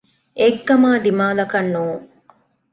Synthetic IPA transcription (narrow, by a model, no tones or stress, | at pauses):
ʔeɡːɐmaːd̪imaːlɐkɐnːuː